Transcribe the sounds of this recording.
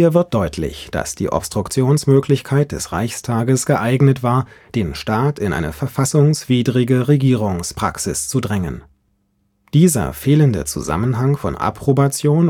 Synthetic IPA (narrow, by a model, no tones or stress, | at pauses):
hiːɐvɪɐt̚d̥ɔʏtʰlɪ̰çd̥a̰sd̥ḭːʔɔ̰pstʁ̥ʊkt͡sjoːnsmøːkʰlɪçkʰaɪt̚d̥ɛsʁa̰ɪçstʰaːɡəsɡ̥əʔaɪɡnətv̥aːɐd̥eːnʃtaːtʰɪnʔa̰ɪnəfɛɐfasʊŋsv̥iːdʁɪɡəʁeɡiːʁ̞ʊŋspʁ̥a̰ksɪst͡sudʁɛŋə̰n | d̥iːzɐ̰feːləndə̰t͡sṵza̰mənɦaŋfɔ̰nʔa̰pʁ̥obat͡sjoːn